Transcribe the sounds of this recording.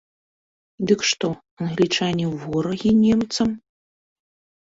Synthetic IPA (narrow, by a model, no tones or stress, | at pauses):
d̪ɨkʂt̪ɔ | ɐnɣlʲit͡ʂanʲivɔɾɐɣʲinʲɛmt̪sɐm